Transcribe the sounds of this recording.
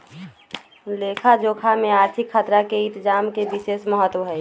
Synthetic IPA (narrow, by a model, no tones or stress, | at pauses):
leːkʰad͡ʒoːkʰamẽaːɾt̪ʰikʰːət̪ɾakeɪ̃nt̪d͡ʒaːmkebiseːsməɦət̪wəɦɛ